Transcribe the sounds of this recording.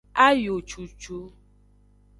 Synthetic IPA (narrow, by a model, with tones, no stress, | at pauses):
a˦jo˨t͡ʃu˨t͡ʃu˦